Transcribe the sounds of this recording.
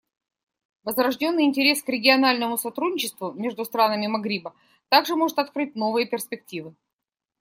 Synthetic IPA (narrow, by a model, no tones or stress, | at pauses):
vəzvɾɐʐdʲo̞nːɨjɪnʲtʲɪɾʲe̞skɾʲɪɡʲɪɐnalʲnəmʊsɐt̪ɾudʲnʲɪt͡ɕɪst̪vʊmʲe̞ʐd̪ʊst̪ɾanəmʲɪmɐɡɾʲibə | t̪aɡʐɨmo̞ʐɨt̪ɐt̪̚kɾɨtʲno̞vɨjəpʲɪrspʲɪk̚tʲivɨ